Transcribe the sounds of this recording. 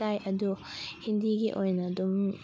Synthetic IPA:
ajʔɐduhindiɡiʔojnɐdum

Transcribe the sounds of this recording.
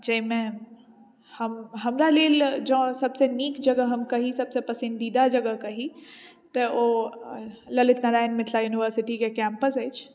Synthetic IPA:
d͡ʒɐɦɪmẽ | həmɦɐmɾaleːld͡ʒə̃sɐbseniːkd͡ʒəɡəɦɐmkɐɦisɐbsepɐsɪ̃nd̪iːd̪ad͡ʒəɡəɦkɐɦi | t̪əo | ləlɪt̪nəɾaːnmɪt̪ʰlajuːniʋəɾsɪʈikekɛ̃ːmpəsɦəːt͡ʃʰ

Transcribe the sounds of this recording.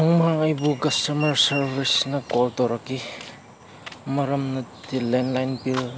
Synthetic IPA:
ɔŋmaŋɐjbuɡɐstomɐɾsɐɾbʱisnɐkɔltowɾaki | mɐɾɐmnɐtilenlajnpil

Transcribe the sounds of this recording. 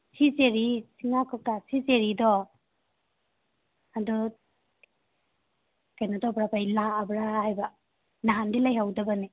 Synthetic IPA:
siseɾisiŋakʰɔp̚tasiseɾidɔ | adɔ | kajnatɔbɾapajlaːbɾahajba | naɦandilajɦawdabane

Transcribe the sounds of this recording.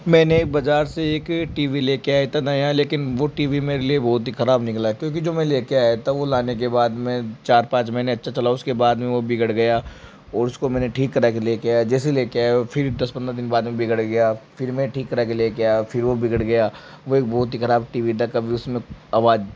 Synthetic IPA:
mɛ̃ːnebɐd͡ʒaːɾseeːkʈiːʋileːkeaːet̪anɐjãleːkɪnʋoʈiːʋimeːɾeliebɔːt̪̬ɦixɐɾaːbnɪklaɦɛkjõːk̬id͡ʒoːmɛ̃leːkeaːjat̪aʋolaːnek̬ebaːd̪mɛ̃t͡ʃaːɾpãːt͡ʃmɛɪneɐtːʃʰat͡ʃɐlaʊskebaːd̪mẽʋobɪɡəɽɡɐjaː | ɔːɾʊskomɛ̃ːneʈʰiːkːɐɾakeleːkead͡ʒɛːseleːkeaːfʰɪɾd̪ɐspɐ̃nd̪ɾad̪ɪnbaːd̪mẽbɪɡəɽɡɐjaːfɪɾmẽʈʰiːkːɐɾakeleːkeafɪɾʋobɪɡəɽɡɐjaː | ʋoeːk̚bɔːt̪̬ɦixɐɾaːbʈiːʋit̪ʰakɐbʱiʊsmẽaːʋaːd͡ʒ

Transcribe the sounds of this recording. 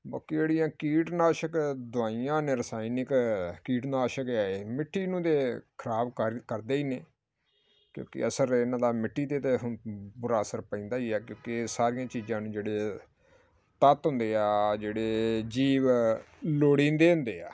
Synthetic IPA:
ba̰ːkid͡ʒeːɽijãːkiːʈnaːʃəkd̪ʊaːijãːnẽːɾəsaːinɪkkiːʈnaːʃəkaːeːmɪʈʰːiːnũːd̪eːkʰəɾaːbkəɾd̪eːiːneː | kjõ̰ːkɪ̰əsəɾɪnãːd̪aːmɪʈʰːiːt̪eːt̪eɦʊbʊɾaːsəɾpəĩːnd̪aːiːɛːkjõːkɪsaːɾijãːt͡ʃiːzãːnũːd͡ʒeːɽeː | t̪ət̪ɦʊ̃nd̪eːaːd͡ʒeːɽeːd͡ʒiːʋ | loːɽĩːnd̪eːɦʊ̃nd̪eːa̰ː

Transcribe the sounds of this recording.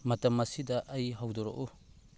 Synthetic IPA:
mɐtɐmːɐsidɐʔɐjɦawdɔɾo̰ʔu

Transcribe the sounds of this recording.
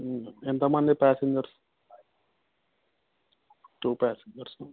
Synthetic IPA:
ent̪ɐmɐnd̪ipaːseɲd͡ʒɐɾs | ʈuːpaːseɲd͡ʒɐɾs

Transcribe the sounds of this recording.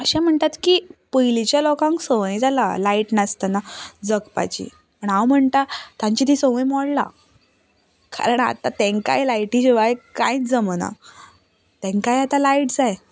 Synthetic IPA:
əɕãm̤əɳt̪at̪kipəjlit͡ɕjalɔkãŋksoʋəjd͡zala̰laiʈnast̪anad͡zəkpa̰t͡ɕḭ | pəɳawm̤əɳt̪at̪ãɲt͡ɕit̪isoʋə̃jmɔɽla̰ | ka̰ɾəɳa̰t̪at̪ẽŋka̰jlajʈiɕiʋajkãjit͡sd͡zəməna̰ | t̪ẽŋkajat̪alaiʈd͡zaj

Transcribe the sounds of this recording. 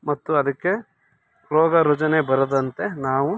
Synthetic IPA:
mɐt̪ːuɐd̪ɐkːe̞ | pɾɔːɡɐɾɔd͡ʒɐnebɐɾɐd̪ɐnt̪e̞naːʋu

